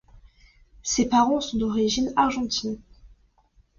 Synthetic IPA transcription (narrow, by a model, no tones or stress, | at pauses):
sepaʁɑ̃sɔ̃d̪ɔʁiʒinaʁʒɑ̃t̪in